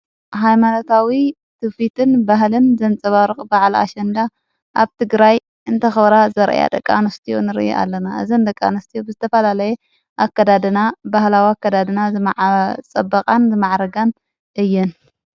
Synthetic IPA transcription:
ɦajmanot̪ʰawi | t̪ʰɨfit̪ʰɨnbaɦlɨnzɐnt͡sʼɐβaɾɨχʼbaʕla̰ʃɐnd̪a | ʔaβt̪ʰɨɡɾaj | ʔɨnt̪ʰɐxɐβɾazɐɾʔa̰ja̰d̪ɐ̰kʼːa̰nɐst̪ʰijo̰nɨɾɨ̰ʔjo̰ʔa̰lːɐnaʔɨ̰zind̪ɐkʼːa̰nɐst̪ʰijobɨzɨt̪ʰɐfɐlalɐje | ʔakːad̪ad̪ɨnabahlawiakʰːɐd̪ad̪ɨnazɨmaʕt͡sʼɐbːɐqʼanzɨmaʕɾɐɡan | ʔɨjːɛn

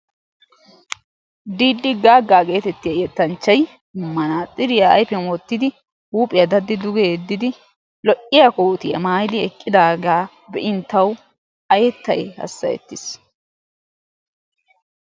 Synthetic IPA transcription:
d̪iːd̪ːɪɡaːɡːaːɡe̞ːt̪ɛt̪ːɪjɐjɛt̪ːɐnt͡ʃːɐj | mːɐnaːt̪ʼɪɾɪjɐɐ̰jpɛmoːt̪ːɪd̪ɪ | huːpʼɪjɐd̪ɐd̪ːɪd̪ʊɡeːd̪ːɪd̪ɪ | lɔʔʼɪjɐkoːt̪ɪjɐ̰maːjd̪ɪɛkʼːɪd̪aːɡaː | bɛʔɪnt̪ːɐw | ɐjɛt̪ːɐ̰jhɐ̰sːɐ̰jɛ̰t̪ːɪs

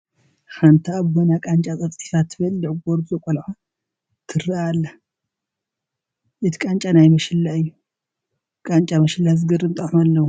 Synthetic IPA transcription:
xʰant̪ʰaaβbonakʼant͡ʃʼat͡sʼɐt͡sʼi̥fat̪ʰːɨbɐlːɨʕɡoɾbɨzɐkʼolħa | t̪ʰɨɾaalːa | ʔɨt̪ʰi̥kʼant͡ʃʼanajmɐʃɨlːaɨjːu | kʼant͡ʃʼamɐʃɪlːazɡɨɾɨnt̪ʼɐħmalːɐwo

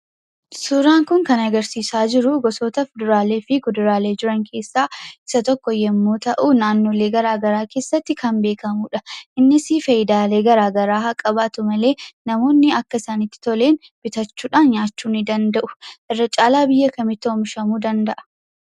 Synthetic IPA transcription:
sʊɾaːŋkʊŋkɐnɐɡɐɾsiːsaːd͡ʒɪɾʊɡɔso̞ːt̪ɐfʊd̪ʊɾaːle̞ːfɪkʊd̪ʊɾaːle̞ːd͡ʒɪɾɐŋkʰe̞ːsːaːɪ̥sɐt̪ɔkːɔjɛmːo̞ːt̪ɐʔuːnaːnːoːle̞ːɡɐɾaːɡɐɾaːke̞ːsːɐt̪ːɪkʰɐmbe̞ːkɐmuːᶑɐʔɪnːɪsifɐjɪd̪aːle̞ːɡɐɾaːɡɐɾaːɦɐkʼːɐbaːt̪ʊmɐle̞ːnɐmo̞ːnːɪɐkːɐɪsanɪt̪ːɪ̥t̪ɔle̞ːn | b̥ɪt̪ɐt͡ʃːuːᶑaːnɲaːt͡ʃːuːnɪd̪ɐnd̪ɐʔʊ̥ʔɪrːɐt͡ʃʼaːlaːbɪjːɐkɐmɪt̪ːɪomʃɐmuːd̪ɐnd̪ɐʔɐ̥

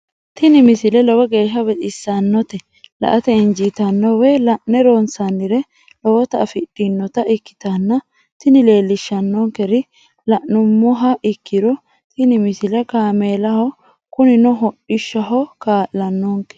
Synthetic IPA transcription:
t̪ɪnɪmɪsɪlɛlɔwɔɡe̞ːʃɐbɛtʼɪsːɐnːɔt̪ɛ | lɐ̰ʔɐt̪ɛɪnd͡ʒit̪ɐnːɔwɛlɐʔːɛɾoːnsɐnːɪɾɛ | lɔwɔt̪ɐɐfɪɗːɪnːɔt̪ɐʔɪkːɪ̥t̪anːɐ | t̪ɪnɪle̞ːlːɪʃːɐnːɔŋkɛɾɪ | lɐʔnʊmːʊɦɐʔɪkʰːɪɾɔ | t̪ɪnɪmɪsɪlɛkaːme̞ːlɐhɔ | kʊnɪnɔɦɔʔɪʃːɐɦɔkaːʔlɐnːɔŋkɛ̥

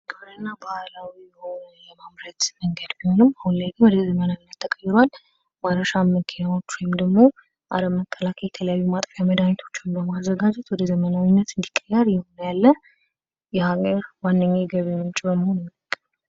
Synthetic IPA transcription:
ɡʰoɾɨnːabahlawijhonləmamɾət̪məŋɡəd̪biho̞nɨmahunlajɡɨwɔd̪əzəmənawinːət̪ːʰəkʼəjːɪɾal | maɾəʃamːəkʰenawo̞t͡ʃːwjmd̪əɡmo | ʔa̰ləmːəkʰʼːəlakʰəjɛt̪ʰələjajːumat̪ʼfjaməd̪amɛt̪ʰo̞̥t͡ʃːmbəmazːəɡad͡ʒɛt̪wɔd̪əzəmənawinːət̪ɨnd̪ikʼːəjːəɾjɛhonːjalːə | jɛhaɡəɾwanːəɲːiɡəβeɲːot͡ʃːʼbəmhonmːəkʼː

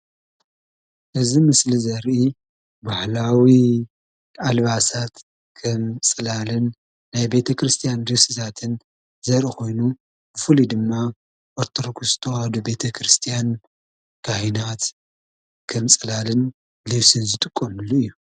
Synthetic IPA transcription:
ʔɨzimɨslizɐɾʔi | bahlawi | ʔalβasat̪ | kʰɐmsʼɨlalɨnː | ajbe̞t̪ʰɐkɾɨst̪ʰijand̪ɨsɨzʰat̪ʰɨn | zɐɾʔiko̞jnu | bɨfɨlid̪ɨmːa | ʔoɾt̪ʰoɾɡʰuszɨt̪ʰɐwhɐd̪ube̞t̪ʰɐkʰɾɨst̪ʰijan | kʰanat̪ | kʰɐmsʼɨlalɨn | lɨβsɨnzɨt̪ʼɨkʼːomɨlːuɨjːu

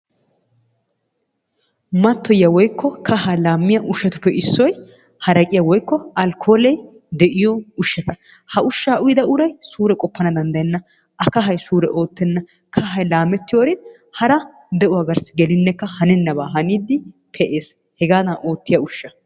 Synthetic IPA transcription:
mɐt̪ːɔjːɐwɔjkʰːɔkʰɐhɐlaːmːɪjɐʔʊʃːɐt̪ʊ̥pːɛʔɪsːɔj | hɐɾɐkʼɪjɐwɔjkːɔʔɐlkʰo̞ːlɛj | d̪ɛʔɪjɔʊʃːɐt̪ɐ | hɐʔʊʃːaːʔʊjd̪ɐʔʊɾɐjsuːɾɛkʼɔpːɐnɐd̪ɐnd̪ɐjɛnːɐ | ʔɐkɐɦɐjsuːɾɛ̰ʔo̞ːt̪ːɛnːɐ | kʰɐɦɐjlaːmɛt̪ːɪjoɾɪn | hɐɾɐ | d̪ɛʔʊwaɡɐɾsɡɛlɪnːɛkːɐhɐnɛnːɐbaːɦɐniːd̪ːɪ | pʰɛʔeːs | hɛɡaːnaːʔoːt̪ːɪjɐʊʃːɐ

